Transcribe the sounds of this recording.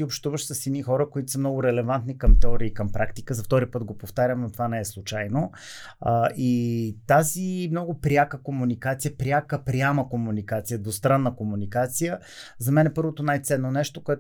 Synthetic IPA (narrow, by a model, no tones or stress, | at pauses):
iopʃt̪uvəʃsəsinixɔɾəkoit̪o̥səmnɔɡʊɾɛlɛvant̪nikəmt̪ɛɔɾiːkɐmpɾʔakt̪i̥kəzɐft̪ɔɾipɤt̪ɡopoft̪aɾʲəmnot̪ovanɛɛslˠʊt͡ʃajno | ʔit̪azimnɔɡʊpɾʲakəkomunikat̪sijəpɾʲjakəpɾʲjaməkomunikat̪sijəd̪ost̪ɾanːəkomunikat̪sijə | zɐmɛnɛpɤɾvot̪onajt̪sɛnːonɛʃt̪okoɛ